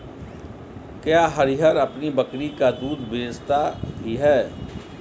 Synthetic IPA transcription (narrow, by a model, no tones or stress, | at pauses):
kjaːɦəɾiɦəɾɐpnibəkɽikad̪uːd̪beːst̪abʱiɦɛː